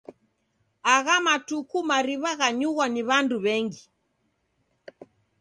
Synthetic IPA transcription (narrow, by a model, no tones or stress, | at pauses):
aɣamatukumaɾiβaɣaɲuɣwaniβanduβɛŋɡi